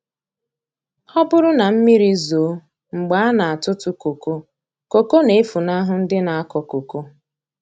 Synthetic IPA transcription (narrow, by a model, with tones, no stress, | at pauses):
ɔ˦bʊ˦ɾʊ˦na˨m̩˦mi˦ɾi˦zoː˨˦ | ŋ͡m̩˨ɡ͡ba˨˦a˦na˨a˨tʊ˦tʊ˦ko˨ko˦ | ko˨ko˦ne˨˦fu˨na˦ɦʊ˦n̩˦dɪ˦na˨a˦kɔ˨ko˨ko˦